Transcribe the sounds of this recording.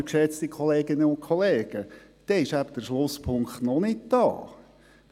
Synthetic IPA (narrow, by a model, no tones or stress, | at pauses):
kʃɛt͡st̪ikʰoleːɡɪnəʊnkʰoleːɡ̥ə | d̥ɛɪʃæb̥əd̥̪əɾʃlʊspʰʊŋkχt̪nɔnɪtd̥ɑ̰ː